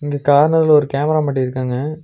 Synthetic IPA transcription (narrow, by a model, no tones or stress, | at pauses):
ɪŋɡekaːɾnɐɾlɔɾɯkaːmɐɾaːmɐːʈ̬ːiɪɾɯkːaːŋɡɐ